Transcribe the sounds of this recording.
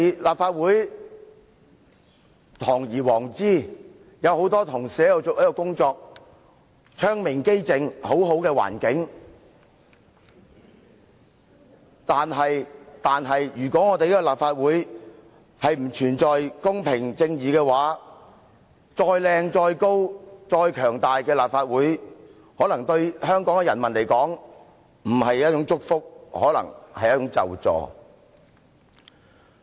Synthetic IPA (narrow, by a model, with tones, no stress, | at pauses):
laː˨p̚faː˧t̚wuː˨˥j | t̪ʰɔː˨˩ŋjiː˨˩wɔː˨˩ŋt͡siː˥˩ | jɐ˨˧who˨˥wt̪ɔː˥t̪ʰʊ˨˩ŋsɛː˨˥jɐ˨˧wt͡so˨˧kjɐ˥kɔ˧kʊ˥ŋt͡sɔː˧k̚ | t͡ʃʰœː˥ŋmɪ˨˩ŋke˥jt͡sɪ˨˧ŋho˨˥wɦo˨˥wkɛː˧wa̰ː˨˩nkɪ˨˥ŋ | t̪aː˨nɦɐ˨jt̪aː˨nɦɐ˨jjyː˨˩kɔː˨˥ŋɔː˨˧t̪e˨jiː˥kɔ˧laː˨p̚faː˧t̚wuː˨˥j | hɐ˨jm̩˨˩t͡ʃʰyː˨˩nt͡sɔː˨jkʊ˥ŋpʰɪ˨˩ŋt͡sɪ˧ŋjiː˨kɛː˧waː˨˥ | t͡ʃɔː˧jlɛː˧ŋt͡sɔː˧jko˥wt͡sɔː˧jkʰœː˨˩ŋt̪aː˨jkɛː˧laː˨p̚faː˧t̚wuː˨˥j | hɔː˨˥lɐ˨˩ŋt̪ɵ˧ɥhœː˥ŋkɔː˨˥ŋɛ˧jɐ˨˩nmɐ˨˩nle˨˩jkɔː˨˥ŋ | m̩˨˩hɐ˨jjɐ˥t̚t͡ʃʊ˨˥ŋt͡sʊ˥k̚fʊ˥k̚hɔ̰ː˨˥lɐ̰˨˩ŋhɐ˨jɐ˥t̚t͡ʃʊ˨˧˥ŋt͡sɐ̰˨wt͡sɔ̰ː˨˧